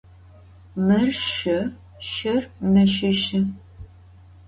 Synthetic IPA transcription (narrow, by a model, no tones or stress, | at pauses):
mɐrʃɪ | ʃɪrmɐʃɪʃɪ